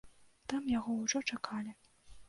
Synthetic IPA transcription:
t̪amjaɣɔwʐɔt͡ʂakʰalʲi

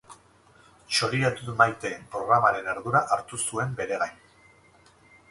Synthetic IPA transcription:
ʃo̞ɾiɾat̪uðmajt̪e̞ːmpɾo̞ɣɾamaɾe̞ne̞ɾðuɾaʔaɾt̪usue̞mbe̞ɾe̞ɣajn

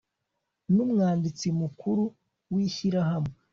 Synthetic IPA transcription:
numŋaːndit͡simukuɾu | wiçiɾaɦame

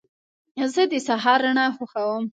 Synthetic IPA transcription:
zəd̪əsaɦɑɾːaɳaxoxawəm

